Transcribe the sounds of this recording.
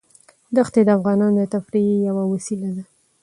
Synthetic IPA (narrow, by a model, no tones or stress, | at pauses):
d̪axt̪ed̪əafɣɑnɑnod̪ət̪afɾijawawasilad̪a